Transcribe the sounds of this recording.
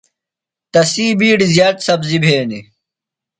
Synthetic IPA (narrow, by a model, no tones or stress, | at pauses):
t̪ɐsiːbiːɖizjaːt̪sɐbzibʱeːni